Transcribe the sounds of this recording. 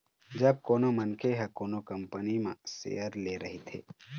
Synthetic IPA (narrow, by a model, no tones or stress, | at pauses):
d͡ʒɐb̚koːnomənkʰeɦɛkoːnokɐ̃mpənimã̰sḛjəɾleɾɐɦet̪ʰḛː